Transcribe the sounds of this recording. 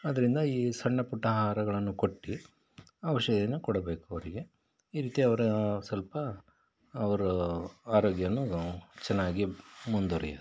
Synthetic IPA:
ɐd̪ɐɾind̪ɐiːsɐɳːɐpuʈːɐɦaːɾɐɡɐɭɐnːukoʈːi | ɐʋɐʃɐɡɐɐnːukɔɽɐbe̞ːkuɐʋɐɾiɡe̞ | iːɾiːt̪iɐʋɐɾusɐlpɐː | ʋɐɾuaːɾoːɡjɐnːut͡ʃɛnːaːɡimund̪oɾḭjɐ̰

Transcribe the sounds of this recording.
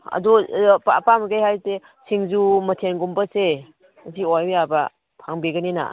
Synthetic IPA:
a̰dupa̰pamɡejhajte | siŋd͡ʒumɐtʰenɡumbɐse | ziojbjaba | pʰaŋbiɡənina̰

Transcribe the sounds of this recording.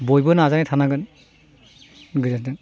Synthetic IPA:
bɔjbɯnazanajtʰanaɡɯn | ɡɯzasdɯn

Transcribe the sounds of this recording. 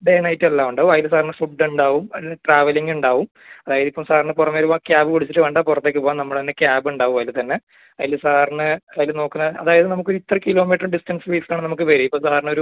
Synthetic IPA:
ɖenɐjitːɨelːaːmuɳɖaːʋumɐːjilsaːrnɨfuɖːuɳɖaːʋumɐjlɨʈraːʋɐliŋɡuɳɖaːʋum | ɐðaːjɐðipːɐmsaːrnːɨpurɐmeɾuʋakjaːbɨkuɽit͡ɕːiʈːɨʋɐɳɖaːpurɐt̪ːek̬ːɨpoːanɐmːɐɭt̪ɐnːekjaːbuɳɖaːʋumɐjilt̪ɐnːe | ɐjilɨsaːrnɨɐjilno̞ːkːunːɐɐ̰ðaːjɐðɨnɐmukːo̞ɾuit̪ːrɐkilo̞ːmiːʈrɨɖistɐnsɨʋiːslaːɳɨnɐmuk̬ːɨʋɐɾuipːoːsaːrno̞ɾu

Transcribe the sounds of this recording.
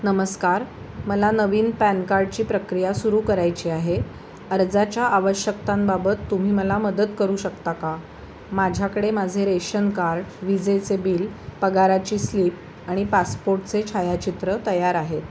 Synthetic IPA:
nəməskaɾ | məlanəʋiːnpænkaɾɖ̚t͡ɕiːpɾəkɾijasuɾuːkəɾajt͡ɕiːaɦe | əɾd͡zat͡ɕjaʔaʋəɕjək̚t̪ambabət̪ːum̤iːməlaməd̪ət̪kəɾuːɕəkt̪aka | mad͡ʑʱjakəɽemad͡zʱeɾeɕənkaɾɖʋid͡zet͡sebiːlpəɡaɾat͡ɕiːsliːp̚ | aɽ̃ipaspoɾʈt͡set͡ɕʰajat͡ɕit̪ɾət̪əjaɾaɦet̪

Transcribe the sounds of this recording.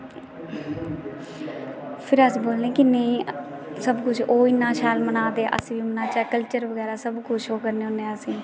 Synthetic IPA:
pʰɪɾəsboːlnẽːkɪne | səbkʊt͡ʃʰoːɪnːãːt͡ʃʰaːlmənaːd̪eːʔə̰sĩːʋiːmənaːt͡ʃaːkəlt͡ʃəɾʋəɡɛːɾaːsəbkʊt͡ʃʰoːkəɾneːõːnesĩː

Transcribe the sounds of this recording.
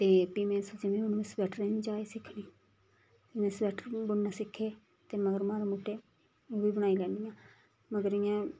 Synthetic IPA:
t̪eːpiːmẽːsəd͡ʒɪʋẽːʊnːẽsbɛːʈʰɾɛːniːd͡ʒaːeːsɪkʰniː | emẽːsbɛːʈʰəɾbʊɽnaːsɪkʰːeː | t̪eːməɡəɾmãːɾeːmuːʈʰːeː | oːʋiːbəɽ̃aːiːlɛːnd̪ɪjãː | məɡəɾɪjãː

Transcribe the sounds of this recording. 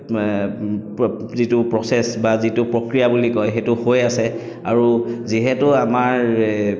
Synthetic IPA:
zitʊpɹɔsɛsbazitʊpɹokɹijabulikɔjɦetʊhojasɛ | a̰ɹuziɦɛtʊamaɹ

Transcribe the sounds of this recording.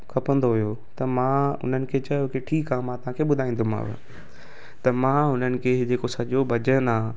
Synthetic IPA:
kʰɐpə̃nd̪oɦʊjo | t̪ɐmãːʊ̰n̤ənɪ̆kʰet͡ɕɐjokɪʈʰiːkãːmãt̪ɐʋ̤ãːkʰeɓʊd̪ʱaːĩːnd̪uma̰ːʋə̰ | t̪ɐmãːʊn̤ənɪ̆kʰeɦɪd͡ʑeːkosɐʄobʱɐd͡ʑənaː

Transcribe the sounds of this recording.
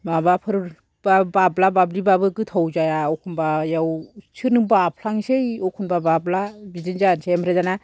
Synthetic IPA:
mabapʰɯɾɯɾ | babablabablibabɯkɯtʰɔwd͡ʒajaɔkʰunbajawt͡ʃʰɯnɯbapʰlaŋsejɔkʰunbabablabizɯnd͡ʒansʰemɾezana

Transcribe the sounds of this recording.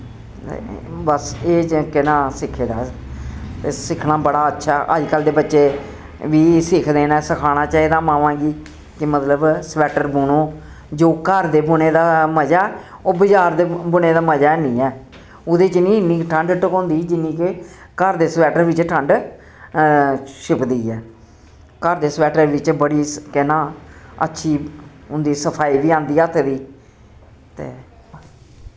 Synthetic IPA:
t̪ḛbəseːkɪnaːsɪkʰːeːd̪a̰ː | t̪esɪkʰnaːbəɽaːətːʃʰaːʔəd͡ʒkəld̪eːbətːʃeː | ʋiːsɪkʰd̪eːnaːsəkʰaːɽ̃aːt͡ʃaːiːd̪aːmãːʋãːɡiː | kɪmət̪ləbsʋɛːʈəɾbuːnoː | d͡ʒoːkəɾd̪eːbʊneːd̪aːməd͡ʒaː | oːbəd͡ʒaːɾd̪ebʊneːd̪aːməd͡ʒaːnĩːɛː | ʊd̪eːt͡ʃnĩːnːiːkʈʰəɳɖʈəkõːnd̪iːd͡ʒɪnːiːke | kəɾd̪eːsʋɛːʈəɾʋɪt͡ʃʈʰəɳɖ | ʃɪpd̪iːɛː | kəɾd̪eːsəʋɛːʈəɾʋɪt͡ʃbəɽiːkɛnãːə̰tːʃʰiːʊnd̪iːsəpʰaːiːʋiːãːnd̪iːɛt̪ʰed̪iː | t̪ḛː

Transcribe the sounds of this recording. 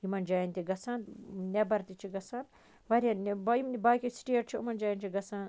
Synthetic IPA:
jimɐnd͡ʒaːjɐnt̪ʲiɡɐsaːnnʲɛbɐɾt̪it͡ʃʰiɡɐsaːn | ʋɐɾʲjannbɐimnibaːkisʈiɐʈt͡ʃʰiumɐnd͡ʒaːjɐnt͡ʃʰiɡɐsaːn

